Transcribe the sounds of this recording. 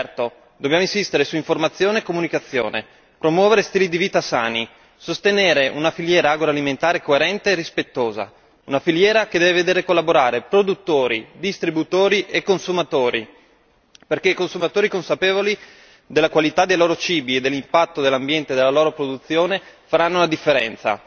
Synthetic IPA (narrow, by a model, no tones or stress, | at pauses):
t̪o | d̪objamoinsist̪eɾesuiɱformat̪sːjoːneːkomunikat̪sːjo̰ːnḛ | pɾomwɔːveɾest̪iːlid̪iviːt̪asaːni | sost̪eneːɾeʔunafiljɛːɾaaːɡɾaliment̪aːɾekoeɾɛnt̪eːrispet̪ːoːza̰ | unafiljɛːɾaked̪ɛːveved̪eːɾekolːaboɾaːɾepɾod̪ut̪ːoːɾid̪ist̪ɾibut̪oːɾiʔekːonsumat̪oːɾi | perk̟eikonsumat̪oːɾikonsapeːvoli | d̪elːakwalit̪ad̪ejloːɾot͡ʃiːbied̪ːelːimpat̪ːod̪elːambjɛnt̪ed̪elːaloːɾopɾod̪ut̪sːjoːnefaɾanːounad̪ifːeɾɛ̰nt̪sa̰